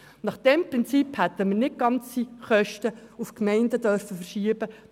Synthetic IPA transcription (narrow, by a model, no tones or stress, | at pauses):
nɑχd̥ɛmpɾɪnt͡siphɛt̪ːəməɾnɪt̚ɡ̥ɑnt͡siχœʃtə | ufkmɛɪndədœɾfəfərʃiəbə